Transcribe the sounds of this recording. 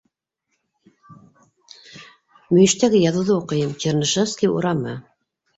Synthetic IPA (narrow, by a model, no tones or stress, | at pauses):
mɵ̆jɘ̆ʃt̪æɡɘjɑðɤ̆wðɤuqɤ̆jɤmt͡ɕernɤ̆ʃofskʲiṵɾɑmɤ